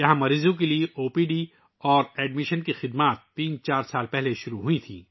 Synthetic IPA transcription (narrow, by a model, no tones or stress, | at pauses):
jɐɦãmɐɾiːzõk̬elieʔoːpiːɖi | ɔːɾɛːɖmɪʃənkixɪd̪maːt̪ːiːnt͡ʃaːɾsaːlpɛɦleʃʊɾuɦuit̪ʰḭ̃ː